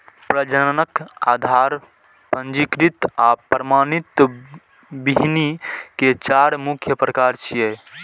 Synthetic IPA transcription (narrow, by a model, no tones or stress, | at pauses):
pɾəd͡ʒənənəkad̪ʱaɾ | pənd͡ʒikɾit̪apɾəmanit̪ | biɦniket͡ʃaɾmukʰjəpɾəkaɾt͡ʃʰiɛ